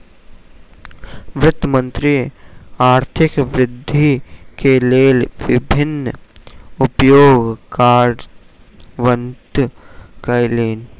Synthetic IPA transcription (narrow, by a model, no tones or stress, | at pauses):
ʋɾɪt̪ːmə̃nt̪ɾiaːɾt̪ʰɪkʋɾɪd̪ʱːikeleːlʋɪbʱɪnː | ʊpjoːɡkaːɖ | ʋənt̪kɐjleːn